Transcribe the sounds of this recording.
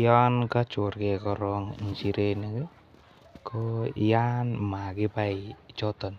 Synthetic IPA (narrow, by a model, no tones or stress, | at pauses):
jankat͡ʃorkekɔɾɔŋ̰nt͡ʃiɾeneke | kojanmakɪpait͡ʃɔt̪ɔn